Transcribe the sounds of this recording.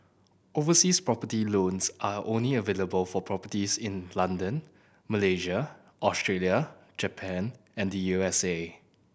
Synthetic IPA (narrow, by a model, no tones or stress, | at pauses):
ovəsispɹɔpətilõnsʔaʔõnliəveləbəlfɔpʰɹɔpətisɪ̃nlãndə̃n | məleʒə | ʔɔstɹeljə | d͡ʒəpʰɛ̃n | ɛ̃ndəjuɛse